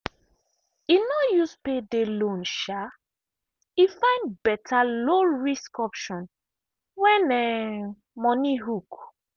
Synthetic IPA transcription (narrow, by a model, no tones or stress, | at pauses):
inɔjuspedelõnʃa | ifãɪ̃ndbɛtʰaloɹiskɔpʃɔ̃n | wɛ̃nɛ | mɔniɦuk